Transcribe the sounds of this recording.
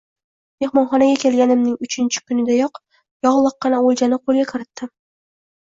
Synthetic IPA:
me̞hmɒnχɒnaɡʲakʲʰe̞lɡʲanɪmnɪŋʊt͡ʃʰɪnt͡ʃʰɪ̥kʲʊnɪd̪ajɒq | jɒʁlˠɨq̚ːɑnaolˠd͡ʒanɪqʰolˠɡʲakʲʰɪɾɪt̪ːɪ

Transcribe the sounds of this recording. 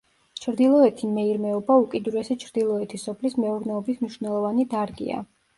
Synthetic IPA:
t͡ʃʰɾd̪ilˠɔɛt̪ʰimɛiɾmɛɔbaukʼid̪uɾɛsɛt͡ʃʰɾd̪ilˠɔɛt̪ʰisɔpʰlismɛuɾnɛɔbismniʃvnɛlˠɔvanid̪aɾɡḭa̰

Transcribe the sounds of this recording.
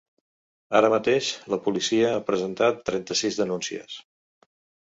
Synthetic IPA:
aɾəmət̪eʃləpulisiəapɾəzənt̪at̪ːɾɛnt̪əsizðənunsiə̰s

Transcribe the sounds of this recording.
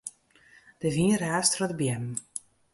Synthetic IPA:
d̥əviːrɛːstrɔdəbjɛm

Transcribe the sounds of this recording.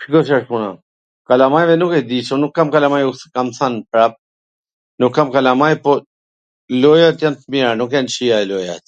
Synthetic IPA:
pikosaʂmuna̰ | kalamajʋenoked̪isonukːamkalamajukskamθanpɾap̚ | nukːamkalamajpo | lojat̪jant̪mianokeant͡ʃiajloja̰t̪

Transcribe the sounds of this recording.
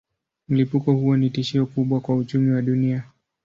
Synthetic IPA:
m̩lipukɔhuɔnitiʃiɔkuɓwakwaut͡ʃumiwaɗunia

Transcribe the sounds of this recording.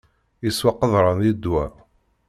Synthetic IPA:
iswɑqːəðˤɾˤɑnid̪wæ

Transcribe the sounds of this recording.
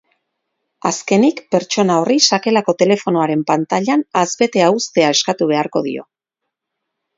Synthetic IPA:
aske̞nikpe̞ɾt͡ʃo̞nao̞risake̞lako̞t̪e̞le̞fo̞noaɾe̞mpant̪aʎanazβe̞t̪e̞aust̪e̞ae̞skat̪uβ̞e̞aɾko̞ðḭo̞̰

